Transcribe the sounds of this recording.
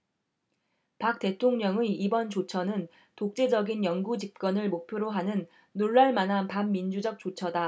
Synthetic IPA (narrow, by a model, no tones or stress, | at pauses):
pak̚t͈e̞tʰoŋɲʌŋɯibʌnt͡ɕot͡ɕʰʌnɯn | tok̚t͡ɕ͈e̞d͡ʑʌɡinjʌŋɡud͡ʑip̚k͈ʌnɯɭmok̚pʰjoɾoɦanɯnː | oɭːaɭmanɦapanːind͡ʑud͡ʑʌk̚t͡ɕ͈ot͡ɕʰʌda